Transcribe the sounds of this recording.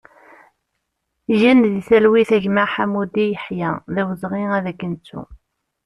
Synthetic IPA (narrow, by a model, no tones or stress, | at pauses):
ʝænðiθælwiθæʝmaħamud̪ijəħjæðæwəzˤʁiæðækːənt͡sːṵ